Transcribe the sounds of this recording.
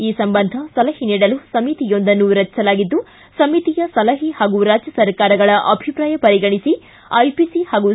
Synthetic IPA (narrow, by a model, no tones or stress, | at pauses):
iːsɐmbɐnd̪ʱɐsɐlɐhiniːɽɐlusɐmit̪ijo̞nd̪ɐnːuɾɐt͡ʃːsɐlaːɡid̪ːu | sɐmit̪ijɐsɐlɐɦihaːɡuɾaːd͡ʒjɐsɐɾkaːɾɐɡɐɭɐʔɐbʱipɾaːjɐpɐɾiɡɐɳisi | ɐjpisihaːɡu